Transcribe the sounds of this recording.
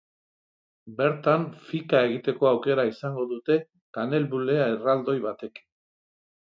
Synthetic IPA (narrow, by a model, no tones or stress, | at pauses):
be̞ɾt̪anfikae̞ɣit̪e̞ko̞awke̞ɾaisaŋɡo̞ðut̪e̞ | kane̞lβule̞aerald̪o̞jβat̪e̞k